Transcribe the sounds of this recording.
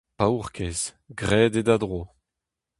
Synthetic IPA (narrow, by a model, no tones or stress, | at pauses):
pauʁkʰez̥ | ɡʁɛːdedad̪ʁo